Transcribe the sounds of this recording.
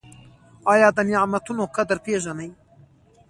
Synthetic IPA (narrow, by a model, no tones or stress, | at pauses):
ɑːjɑːd̪ɐnjaamɐt̪ʰunoːkʰɐd̪ɨɾpʰeːʒɐnɐj